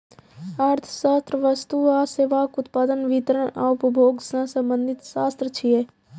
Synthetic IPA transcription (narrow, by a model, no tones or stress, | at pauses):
aɾt̪ʰə̥ʃaːst̪ɾəʋəst̪uaːseːʋaːkʊt̪paːd̪ənʋit̪əɾəɳa̰ʊpəbʱoːɡsãsə̃mbə̃nd̪ʱɪt̪ʃaːst̪ɾət͡ʃʰieː